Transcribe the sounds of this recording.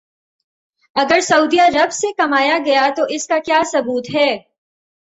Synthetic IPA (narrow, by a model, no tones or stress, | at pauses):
ɐɡəɾsɐʊd̪ijaɾɐbsekɐmaːjaɡɐjat̪oʔɪskakjaːsɐbuːt̪ɦɛː